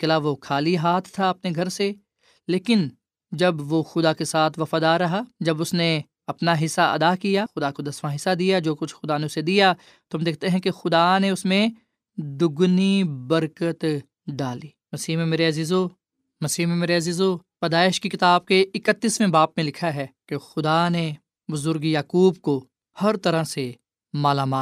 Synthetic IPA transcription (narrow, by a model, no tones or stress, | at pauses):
kɪlaʋokʰaːliɦaːt̪ʰt̪ʰːaɐpneɡʱɐɾse | leːkɪn | d͡ʒɐbʋoxʊd̪akesaːt̪ʰʋɐfaːd̪aːɾːɐɦad͡ʒɐbʊsne | ɐpnaɦɪsːaʔɐ̰d̪akijaxʊd̪akod̪ɐsmaɦɪsːad̪ijad͡ʒoːkʊt͡ʃʰxʊd̪aneʊsed̪ija | t̪oɦɐmd̪eːk̚ʰt̪eɦɛ̃kexʊd̪aneʊsmẽ | d̪ʊɡnibɐɾkət̪ | ɖaːliːmɐsiːɦmẽmeːɾeɐziːzo | mɐsiːɦmẽmeːɾeɐziːzopɐd̪aːɪʃkikɪt̪aːb̚keɪkət̪ːiːsmẽbaːpmẽlɪkʰaɦɛːkexʊd̪ane | bʊzʊɾɡjaːkuːbko | hɐɾt̪ɐɾãse | maːlaːmaː